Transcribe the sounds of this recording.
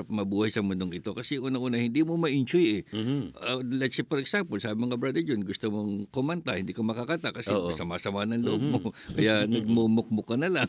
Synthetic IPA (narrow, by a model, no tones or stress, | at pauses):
p̚mɐbuːhɐjsɐmʊnd̪oŋɪt̪o̞kɐsɛʔuːnɐŋʔuːnɐhɪnd̪imomɐʔɪnt͡ʃojɛɐlɛt̪sɐpɔɾɛksampɐlsaːbɪmɐŋkɐbɾad̪ɛd͡ʒonɡʊst̪omoŋkomɐnt̪ahɪnd̪iːkɐmɐkakɐt̪akɐsʔɛsɐmasɐmanɐŋlʊhob̚mokɐjanɐɡ̚momok̚mokɐnɐlaŋ